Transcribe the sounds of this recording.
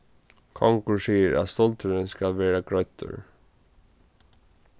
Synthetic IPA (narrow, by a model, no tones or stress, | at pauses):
kʰɔŋkʊɹsiːəɹæ̰ðst̪ɔlt̪əɾɪnskalʋeːɹaɡɹœɥt̪ʰʊ̰ɹ